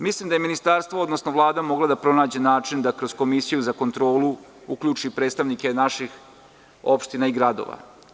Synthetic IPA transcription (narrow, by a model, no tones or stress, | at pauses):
mislˠimd̪aje̞minist̪aɾst̪ʋood̪nosnoʋlˠaːd̪amo̞ɡlad̪apɾo̞naːd͡ʑe̞naːt͡ʃind̪akɾo̞z̥ko̞misijuzako̞nt̪ɾo̞ːlu | ukʎuːt͡ʃipɾeːt̪st̪aʋnike̞naʃix | o̞pʃt̪inaiɡɾad̪o̰ʋa̰